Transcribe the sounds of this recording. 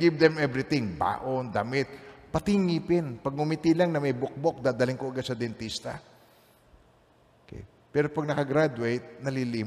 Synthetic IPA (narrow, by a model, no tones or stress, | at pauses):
ɡɪvd̪ɛmɛvɾɪt̪ɪŋba̰ːʔond̪ɐmɪt̪̚pɐt̪ɪŋipɪnpɐɡ̚mʊmit̪ilaŋnɐmɐjbok̚bok̚d̪aːd̪alɪŋkoʔɐɡad̪sɐd̪ɛnt̪ist̪ɐ̰ | kɛ̰j | pɛːɾo̞pɐɡ̚nɐkɐɡɾad̪ʊejt̪̚nɐliliːm